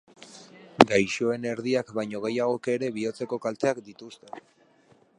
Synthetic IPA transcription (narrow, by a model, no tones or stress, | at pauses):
ɡajʃo̞e̞ne̞ɾðiakbajɲo̞ɣe̞jaɣ̞o̞keɾe̞βio̞t͡se̞ko̞kalt̪e̞akd̪it̪ust̪e̞